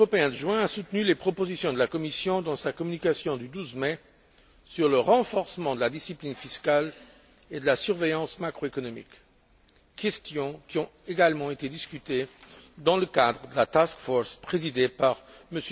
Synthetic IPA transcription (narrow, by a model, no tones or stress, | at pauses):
ʁɔpeɛ̃d̪əʒwɛ̃asut̪nylepχɔpozisjɔ̃d̪əlakɔmisjɔ̃d̪ɑ̃sakɔmynikasjɔ̃d̪yd̪uzmɛ | syʁləʁɑ̃fɔʁsəmɑ̃d̪əlad̪isiplinfiskal | ed̪əlasyʁvejɑ̃smakχoekɔnɔmḭk | kːɛst̪jɔ̃kʲiɔ̃eɡalmɑ̃et̪ed̪iskʲyt̪ed̪ɑ̃ləkad̪ʁəd̪əlat̪askfɔʁspχezid̪epaʁməs